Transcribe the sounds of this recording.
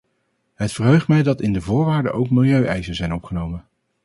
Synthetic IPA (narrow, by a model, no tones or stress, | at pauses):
ɦətfərɦøɥχtmɛjdɑtɪndəvʊːɹʋaːɹdə̰ʔowkmɪlˠjøɥʔɛjzənzɛjnɔpχənowmən